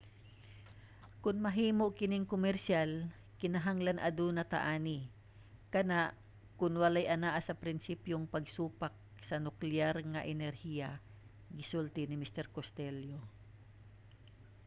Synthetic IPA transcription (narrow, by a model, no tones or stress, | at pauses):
kʊnmɐɦiːmoʔkɪnɪŋkomɛɾʃal | kɪnɐɦaŋlanʔɐd̪unɐt̪ɐ̰ʔaːnɪ | kɐnaʔ | kʊnwɐlajʔɐnaʔasɐpɾɪnsiːpjoŋpɐɡsuːpak̚sɐnʊklɪjaɾŋɐʔɛnɛɾhija | ɡɪsult̪ɪnɪmɪst̪ɛɾkost̪ɛljo